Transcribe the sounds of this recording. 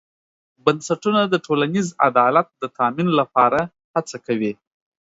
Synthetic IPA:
bansaʈunad̪əʈʰolaniza̰d̪ɑlat̪̚d̪ət̪ʰɑminlapɑɾa | hat͡sakawi

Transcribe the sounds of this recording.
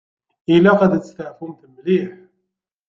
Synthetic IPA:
ʔɪlːæqɑd̪st̪aʕfʊmθəmliħ

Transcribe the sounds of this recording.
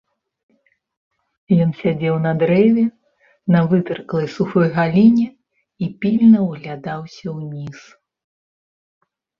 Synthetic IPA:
jɔnsʲad͡zʲɛwnɐd̪ɾɛvʲɛ | nɐvɨt̪ɨɾklˠɐjsuxɔjɣalʲinʲɛ | ipʲilʲnɐwɣlʲad̪awsʲɐwnʲis

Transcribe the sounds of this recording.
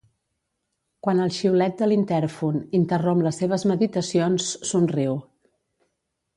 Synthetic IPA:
kwanəlˠʃiwlɛt̪̚d̪əlint̪ɛɾfunint̪ərompləsːeβ̞əzməðit̪əsionsːunriw

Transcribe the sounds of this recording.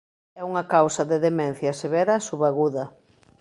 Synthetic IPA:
ɛuŋɐkawsɐðeðemɛ̃n̟θjɐseβɛɾɐsuβaɣuðɐ

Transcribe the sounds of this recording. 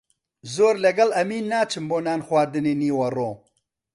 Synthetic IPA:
zoːɾlɐɡɐlɐmiːnːaːt͡ʃʰɨmboːnaːnxwaːd̪ɨneːniːwɐroː

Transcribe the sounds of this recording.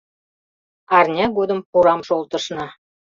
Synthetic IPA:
ɑrnʲɑɡod̪ə̆mpuɾɑmʃolˠt̪ə̆ʃnɑ

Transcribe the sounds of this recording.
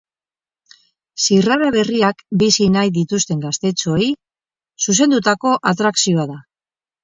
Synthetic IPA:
siraɾaβe̞riakbisinajðit̪ust̪e̞ŋɡast̪e̞t͡ʃo̞j | sus̬e̞nd̪ut̪ako̞ʔat̪ɾaksio̞aða

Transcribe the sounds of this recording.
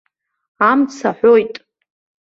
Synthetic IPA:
amt͡sʰaħʷo̞jtʼ

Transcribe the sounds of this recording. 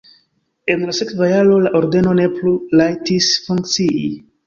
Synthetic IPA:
e̞nlase̞kvajalo̞laʔo̞ɾde̞no̞ne̞plulajtisfuŋkt͡siʔi

